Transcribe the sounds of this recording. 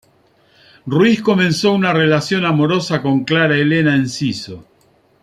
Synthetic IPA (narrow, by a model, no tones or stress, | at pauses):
ruwisko̞mẽ̞nsounarelasjo̞namo̞ɾo̞sako̞ŋklaɾaelenaensiso